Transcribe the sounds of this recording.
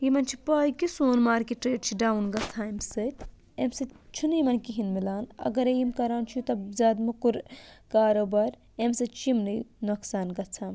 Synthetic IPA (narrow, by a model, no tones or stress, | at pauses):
jimɐnt͡ʃʰi̥paːjkisoːnmaːɾkiʈɾeːʈt͡ʃʰiɖaːwunɡɐt͡sʰaːemsɨtʲ | emsɨt͡ʃʰunimɐnkiɦinmilaːnɐ̰ɡɐɾejimkɐɾaːnt͡ʃʰut̪ɐbzaːd̪mukuɾkaːɾoːbɐɾ | emsɨt͡ʃimninoksaːnɡɐt͡sʰaːm